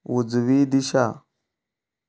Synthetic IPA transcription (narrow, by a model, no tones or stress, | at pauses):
wud͡zuwidiʃa